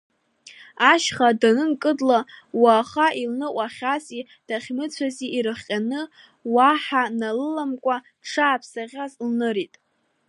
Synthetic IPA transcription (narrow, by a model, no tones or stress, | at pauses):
aʃχadanɨnkʼɨdlawaːχaʔilnɨʔʷʼaχʲasʼi | d̥aχʲmɨt͡sʷʰaziːɾɨχʲqʲʼanɨ | waħanalɨlamkʷʼa | ʈ͡ʂʰaːpʰsaʁʲazlnɨɾitʼ